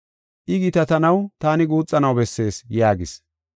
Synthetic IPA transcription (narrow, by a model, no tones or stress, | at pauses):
ʔɪɡɪt̪ɐt̪ɐnɐwt̪aːnɪɡuːt͡sʼːɐnɐwbɛsːe̞ːsjaːɡɪs